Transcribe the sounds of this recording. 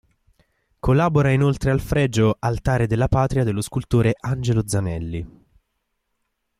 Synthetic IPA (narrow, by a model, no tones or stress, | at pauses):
kʰolːaːboɾainolt̪ɾealfɾɛd͡ʒoalt̪aːɾed̪elːapaːt̪ɾiad̪elːoskult̪oːɾeʔand͡ʒelod̪zanɛlːi